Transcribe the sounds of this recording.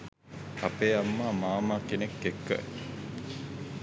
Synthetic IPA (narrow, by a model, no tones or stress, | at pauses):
ɐpeːɐmːaːmaːmaːkenekːekːə̰